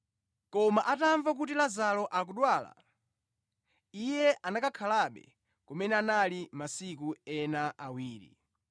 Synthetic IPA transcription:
kɔmaʔataɱvak̬ut̬ilazalɔʔak̬uɗwaːla̰ | ijɛanakakʰalaɓɛ̰ | kɔmɛnɛanalimasikuɛnaʔawiːɾḭ

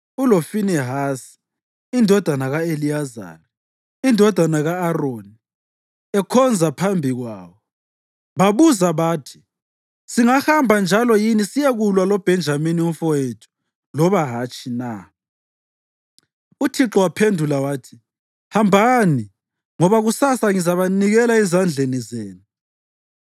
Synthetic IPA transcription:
ulofinɛɦaːsi̥ | indʱɔd̥ʱanaɣaelijaza̰la | indʱɔd̥ʱanaɣaːroːni | ɛkʰɔnd͡zʱapʰambʱiɣwaːβɔ | βaβuzaβaːtʰi̥ | siŋahambʱand͡ʒʱalɔjinisijeɣulwalɔb̥ʱɛnd͡ʒʱaminiumfɔjetʰu̥ | lɔβaɦat͡ʃʰʼina | utʰiǁɔwapʰendʱulawaːtʰi̥ | hambʱani | ŋɔβaɣusasaŋizaβaniɣɛlaizand͡ɮʱenizɛːnu

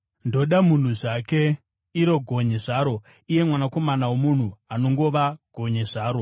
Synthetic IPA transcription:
ndo̞ɗamun̤uʐake | iɾo̞ɡʱoɲeʐaːɾo̞ | ije̞mwanako̞manawomun̤uano̞ŋɡo̞ʋaɡ̥ʱo̞ɲeʐaːɾo̞

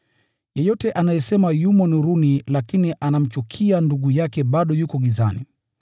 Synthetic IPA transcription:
jɛjɔtɛʔanajɛsɛmajumɔnuɾunilakiniʔanam̩t͡ʃukʰianduɠujakɛɓaɗɔjukɔɠiza̰ni

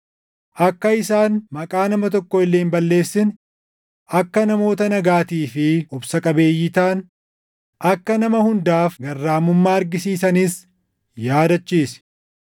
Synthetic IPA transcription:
ʔɐkːɐɪsaːnmɐkʼaːnɐmɐt̪ɔkːɔɪlːeːmbɐlːe̞ːsːɪn | ɐkːɐnɐmo̞ːt̪ɐnɐɡaːt̪iːfɪʊbsɐkʼɐbe̞ːjːɪt̪aːn | ʔɐkːɐnɐmɐhʊnd̪aːfɡɐrːaːmʊmːaːɐɾɡɪsiːsɐnis | jaːd̪ɐt͡ʃːiːs

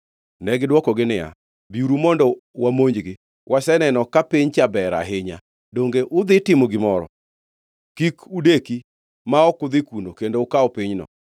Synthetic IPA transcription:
nɛɡɪdwɔkɔɡɪnɪa̰ | biuɾumɔndɔwamoɲd͡ʒɡɪ | wʔasɛnɛnɔkapiɲt͡ʃabɛɾa̰ɦɪɲa̰ | doŋɡeʔʊd̪ɪtɪmoɡɪmɔɾɔ̰ | kikudeki | maɔkʊd̪ɪkunokendoʊkaɔpiɲnɔ̰

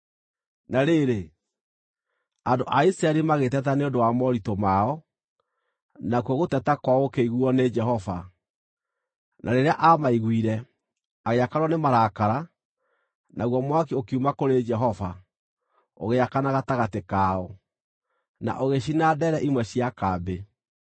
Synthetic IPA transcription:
naɾeɾe | andoʔaisɾaɛɾimaɣetɛtaneondowamɔɾitomaɔ | nakwɔɣotɛtakwaokeiɣuɔned͡ʒɛɦɔva | nʔaɾeɾeaʔamaiɣwiɾɛ | aɣeakaɾwɔnemaɾakaɾa | naɣwɔmwak̬iokiumakoɾed͡ʒɛɦɔva | o̰ɣeakanaɣataɣatekaɔ | na̰ʔoɣeɕinadɛɾɛʔimwɛɕiakabe

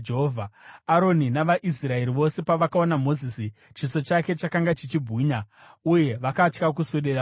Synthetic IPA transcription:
d͡ʒeɦovʱaaɾo̞ninaʋaʔis̬rae̞ɾiʋo̞se̞paʋakao̞namo̞ziːsi | t͡ʃiso̞t͡ʃake̞t͡ʃakaŋɡat͡ʃit͡ʃibʱuːɲa | uje̞ʋakat͡ʃkak̬usoɗera

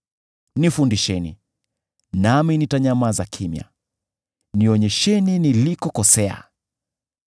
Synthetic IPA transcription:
nifundiʃɛnḭ | naminitaɲamazakʰimja̰ | niɔɲɛʃɛninilikɔkɔsɛa̰

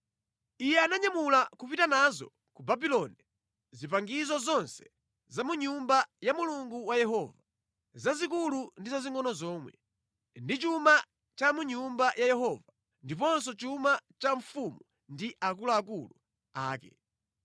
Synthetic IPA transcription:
ijɛanaɲamulakupitanazɔ̰ | kubabilɔni | zipaŋɡizɔzɔnsɛ̥ | zamuɲumbajamuluŋɡuwajɛɦɔva | zazikulundizaziŋɔnɔzɔːmwɛ̰ | ndit͡ʃuma | t͡ʃamuɲumbajajɛɦɔva | ndip̬ɔns̬ɔt͡ʃumat͡ʃaɱfumu | ndiʔakulaːk̬ulṵ | a̰ːkɛ̰

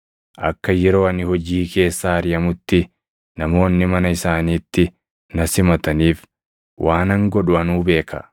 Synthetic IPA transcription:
ʔɐ̰kːɐjɛɾo̞ːɐnɪhɔd͡ʒiːke̞ːsːaːɐɾɪjɐmʊt̪ːɪ | nɐmo̞ːnːɪmɐnɐɪsaːniːt̪ːɪ | nɐsɪmɐt̪ɐniːf | wʔaːnɐŋɡɔᶑʊɐnuːbe̞ːkɐ̰

